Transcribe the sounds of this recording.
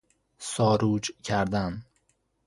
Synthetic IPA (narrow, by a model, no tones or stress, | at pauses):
sɒːɾuːd͡ʒcʰæɾd̪æn